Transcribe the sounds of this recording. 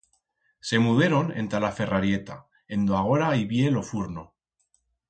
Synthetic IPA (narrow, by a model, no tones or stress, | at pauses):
se̞muðeɾo̞ne̞̰nt̪alafe̞raɾje̞t̪a | e̞nd̪oaɣ̞o̞ɾaiβje̞lo̞fuɾno